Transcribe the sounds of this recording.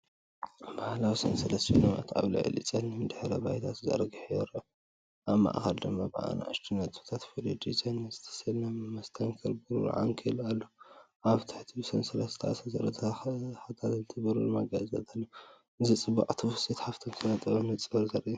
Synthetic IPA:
bahlawisɐ̰nsɐlɐst̪ʰinɐma̰t̪ʰʔa̰βlḭʕɨ̰lḭt͡sʼɐnɨmd̪ɨħɾɐbajt̪ʰat̪zɐ̰ɾɡiħjɛɾɐ | ʔaβma̰ʔxɐld̪ɨmːabɐʔa̰na̰ʕɨ̰ʃt̪ʰinɐt̪ʼu̥t̪ʰat̪fulid̪it͡sʼɐnɐzɨ̥t̪ʰɐ̥sɐlnamɐst̪ʰɐŋkʰɐlbɨɾṵɾ̰ʕa̰ŋkʰɐlalːo | ʔaβt̪ʰɨ̥ħt̪ʰibɨsɐnsɐlɐst̪ʰaʔa̰sɐzɐɾɐt̪ʰɐħat̪ʰat̪ɨt̪ʰɨbɐɾulɨmaɡazɐt̪ʰʼalːo | ʔɨzit͡sʼɨba̰ʕʼt̪ʰuset̪ħaft̪ʰomsʰɐnɐt̪ʼɐβɐmɨt͡sʼɨbɐɾzɐɾʔ

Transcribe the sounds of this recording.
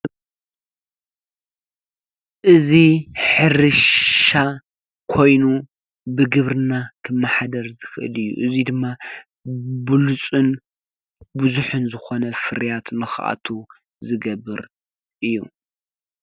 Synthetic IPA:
ʔɨziħɨɾɨʃa | kʰo̞jnu | bɨɡɨβɾɨnakʰɨmːaħad̪ɐɾzɨxɨʔɨ̰lɨjːṵʔɨzid̪ɨmːa | bɨlut͡sʼɨn | buzuħɨnzɨxo̞nɐfɨɾjat̪nɨxʔa̰t̪ʰu | zɨɡɐbːɨɾ | ʔɨjːṵ

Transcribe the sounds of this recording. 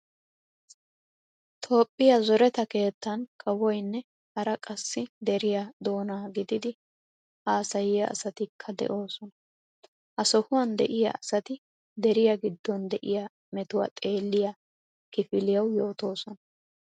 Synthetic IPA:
t̪ʰo̞ːpʼːɪjɐzɔɾɛt̪ɐke̞ːt̪ːɐnkʼɐwɔjnːɛ | hɐɾɐkʼɐsːɪd̪ɛɾɪjad̪o̞ːnaːɡɪd̪ɪd̪ɪ | haːsɐjɪjɐ̰ɐ̰sɐt̪ɪkʰːɐd̪ɛ̰ʔo̞ːsɔnɐ | ʔɐsɔhʊwɐnd̪ɛ̰ʔɪjɐ̰ɐsɐt̪ɪ | d̪ɛɾɪjɐɡɪd̪ːɔnd̪ɛʔɪja | mɛt̪ʊwɐ̰t̪ʼe̞ːlːɪjɐ | kɪfɪlɪjɐwjo̞ːt̪o̞ːsɔnɐ

